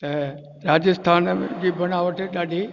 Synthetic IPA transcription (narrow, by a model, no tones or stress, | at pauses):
t̪ɐ | ɾaːd͡ʑəst̪ʰaːnd͡ʑiːbɐnaʋəʈeɗaːɗʱi